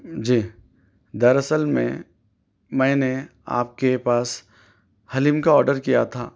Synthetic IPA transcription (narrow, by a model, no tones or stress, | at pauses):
d͡ʒiː | d̪ɐɾɐsəlmḛ̃ | mɛ̃ːnea̰ːp̚kepaːs | hɐlimkaɔːɾɖəɾkija̰t̪ʰaː